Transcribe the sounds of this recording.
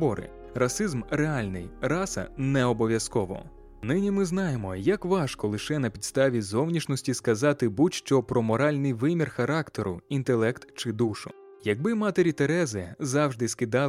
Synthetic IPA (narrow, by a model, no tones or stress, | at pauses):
bɔɾɪ̰ | rɐsɪzmreɑlʲnɪjrɑsɐ̰nɛɔbɔʋʲjɐskɔʋɔ̰ | nɪnʲimɪznɑjemɔjɐkʋɑʃkɔlˠɪʃɛnɐpʲid̪st̪ɑʋʲizɔwnʲiʃnɔsʲtʲiskɐzɑt̪ɪbut͡ʃʲʃt͡ʃɔpɾɔmɔɾɑlʲnɪjʋɪmʲirxɐɾɑkt̪eɾʊint̪elˠɛkt̪t͡ʃɪd̪uʃʊ | jɐɡ̚bɪmɑt̪eɾʲit̪eɾɛzɪzɑwʒd̪ɪskɪd̪ɑ